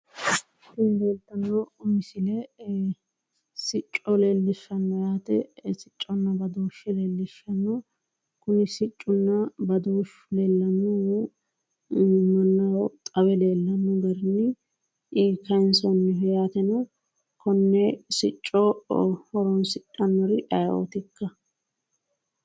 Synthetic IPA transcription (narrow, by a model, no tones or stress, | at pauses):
t̪ːinbeːlt̪ːɐnːɔmɪsɪlɛ | sɪt͡ʃʼːɔleːlːɪʃːɐnːɔjaːt̪ɛsɪt͡ʃʼːɔnːɐbɐd̪oːʃɪleːlːɪʃɐnːɔ | kʊnɪsɪt͡ʃʼːʊnːɐbɐd̪oːʃ | leːlːɐnu | mɐnːɐwt̪ʼɐbɛleːlːɐnʊɡɐɾnːɪ | ʔːkɐnsɔnːɪɦɛjaːt̪ɛnɔ | kɔnːɛsɪt͡ʃʼːɔhɔɾɔnsɪt͡ʃʼːɐnːɔɾɪʔɐjo̰ːt̪ɪkːɐ